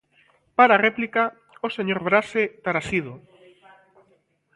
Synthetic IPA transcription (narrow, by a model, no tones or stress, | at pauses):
paɾareplika | oseɲoɾβɾaset̪aɾasið̞o